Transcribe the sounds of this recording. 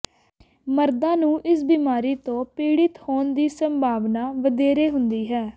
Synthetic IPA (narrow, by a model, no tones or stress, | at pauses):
məɾd̪ãːnũːʔɪsbiːmaːɾiːt̪õːpiːɽɪt̪hoːnd̪iːsəmbʱaːʋnaːʋəd̪eːɾeːɦʊnd̪iːɦɛː